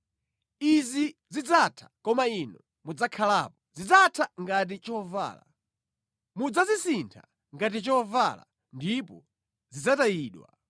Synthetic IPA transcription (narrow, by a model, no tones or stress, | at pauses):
izizid͡zatʰḁkɔmainɔ | mud͡zakʰalaːpɔzid͡zatʰaŋɡat̬it͡ʃɔva̰ːla̰ | mud͡zazisintʰa̰ | ŋɡat̬it͡ʃɔvala̰ | ndipɔ | zid͡zatajiːɗwa̰